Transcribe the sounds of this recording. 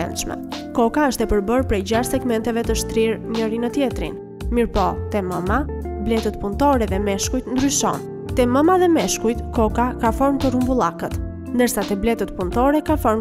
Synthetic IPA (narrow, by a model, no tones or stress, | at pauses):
ɛ̰nʃmɛ̰ | kɔkaəʃt̪ɛpəɾbəɾpɾɛjd͡ʑaʃsɛɡmɛnt̪ɛvɛt̪əʃt̪ɾiɾɲəɾinət̪jɛt̪ɾḭn | miɾpɔt̪ɛməma | blɛt̪ət̪punt̪ɔɾɛðɛmɛʃkujt̪nd̪ɾyʃɔ̰n | t̪ɛməmaðɛmɛʃkujt̪kɔkakafɔɾmt̪ərumbulˠakət̪ | nd̪əɾsat̪ɛblɛt̪ət̪punt̪ɔɾɛkafɔɾm